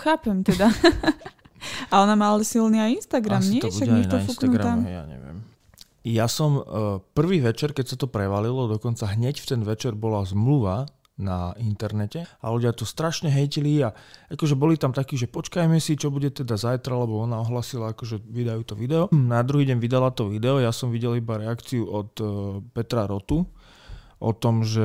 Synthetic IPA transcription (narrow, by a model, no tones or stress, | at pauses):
xaːpɛmt̪ɛd̪a | aɔnamalasilniajinst̪aɡɾamɲɪɛt̪ɔtuaɡɛaɛnɔifnfustknaɡɾat̪amɛja̰ɲɛ̰ʋɪɛ̰m | jasɔmpr̩ʋiːʋɛt͡ʃɛɾkɛcsat̪ɔpɾɛʋalilɔd̪ɔkɔnt͡saɦɲɛcft̪ɛnʋɛt͡ʃɛɾbɔlazmluʋa | naint̪ɛɾnɛcɛa̰luɟɪat̪ɔst̪ɾaʃɲɛɦɛjciliaakɔʒɛbɔlit̪amt̪akiːʒɛpɔt͡ʃkajmɛsit͡ʃɔbuɟɛt̪ɛd̪azajt̪ɾalɛbɔɔnaɔɦlaːsilaakɔʒɛʋid̪ajuːt̪ɔʋid̪ɛɔnad̪ɾuɦiːɟɛɲʋid̪alat̪ɔʋid̪ɛɔjasɔmʋiɟɛlibaɾɛakt͡siuɔt̪pɛt̪ɾaɾɔt̪u | ʔɔt̪ɔmʒɛ